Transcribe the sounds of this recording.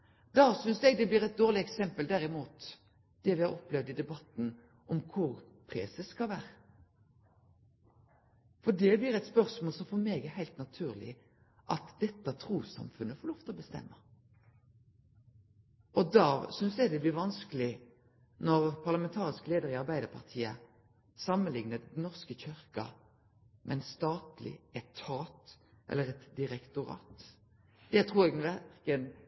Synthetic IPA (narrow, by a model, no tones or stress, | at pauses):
d̪ɑːsʏnsɛɡ̚d̪ɛblɪːʁɛt̪̚d̪oːʁlɪɛksɛmpəld̪æɾɪmuːt̪ | d̪̥ɛʋɪhɑɾɔplɛʋd̪ɪd̪ɛbɑt̪n̩ | ʔɔmkʰʊʁ | pʰɾɛ̰səskɑʋæːɾə | fɔdɛblɪːʁɛt̪spœɾsmoːlsɔmfɔɾmeːɡəhæɪlt̪nɑt̪ʰʉːʁlɪ̰ | ʔɑt̪d̪̥ɛt̪ːət̪ʰɾuːsɑ̰mfʉnːəfɔlɔft̪əɔbəst̪ɛ̰mːə | ɔd̪ɑːsʏnsjæɡd̪ɛblɪɾʋɑnskəlɪ | nɔʁpʰɑʁlɑmɛnt̪ʰɑːʁɪskleːd̪əɾɪɑʁbæɪd̪əpʰɑʁt̪ʰiːə̰ | sɑmːənlɪŋnəd̪nɔʁskəçʏʁkɑ̰ | mʔɛnst̪ɑːt̪lɪ̰ɛt̪ʰːɑːt̪ | ʔɛ̰lːəʁɛt̪d̪ɪʁɛkt̪ʊɾɑ̰ːt̪ | d̪̥ɛt̪ʰʁuːɾɛɡʋækən